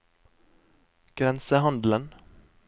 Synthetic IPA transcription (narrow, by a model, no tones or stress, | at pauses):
ɡ̥ɾɛnsəhɑnd̪lən